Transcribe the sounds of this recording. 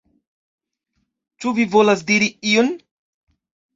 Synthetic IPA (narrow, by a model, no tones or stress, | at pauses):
t͡ʃuvivolasdiɾiion